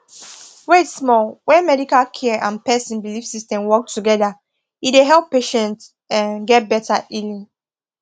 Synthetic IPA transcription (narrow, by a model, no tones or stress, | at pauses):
wetsmɔlwɛ̃nmɛɾikalkʰɛʔãnpɛsĩnbilifsistɛ̃mwɔk̚tʰuɡɛða | ideɦɛlˠpːeʃɛ̃nt | ãnɡɛt̚bɛtʰaʔilĩŋ